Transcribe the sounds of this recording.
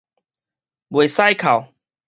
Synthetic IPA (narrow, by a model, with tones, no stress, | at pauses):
bwe˨˩sa˥˧jkʰa˨˩w